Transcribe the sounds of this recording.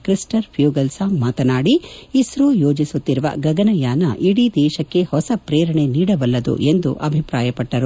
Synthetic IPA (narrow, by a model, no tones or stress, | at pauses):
kɾisʈɐɾpʰjuːɡɐlsaːmmːaːt̪ɐnaːɽiisɾujo̞ːd͡ʒisut̪ːiɾuʋɐ̰ɡɐɡɐnɐjaːnɐʔiɽid̪ɛːʃɐkːe̞hɔsɐpɾeːɾɐɳeniːɽɐʋɐlːɐd̪ṵʔe̞nd̪ṵʔɐbʱipɾaːjɐpɐʈːɐɾu